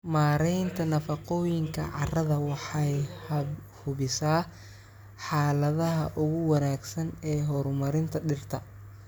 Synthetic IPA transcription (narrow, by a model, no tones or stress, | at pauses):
maːɾɛjnt̪ʰɐnɐfɐqɔːjɪŋkʰɐ̰ʕɑ̰rɐðɐwɑħɑjhɐhʊβɪsaː | ħɑːlɐðɐɦɐʔʊɣʊwɐnaːɡsɐnɛːɦɔrmɐɾɪnt̪ʰɐɖɪrt̪ʰɐ